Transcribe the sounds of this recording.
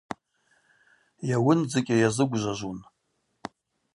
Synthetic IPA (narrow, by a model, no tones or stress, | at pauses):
jawʊnd͡zɨkʲʼajazɨɡʷʒʷaʒʷun